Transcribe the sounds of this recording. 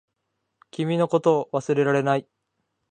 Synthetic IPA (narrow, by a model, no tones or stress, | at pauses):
kʲimʲino̞ko̞t̪o̞ːβasɨɾe̞ɾaɾe̞nai